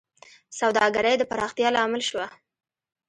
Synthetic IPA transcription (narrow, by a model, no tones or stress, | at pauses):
sawd̪ɑɡaɾəjd̪əpaɾɑxt̪jɑlɑmɪlʃwa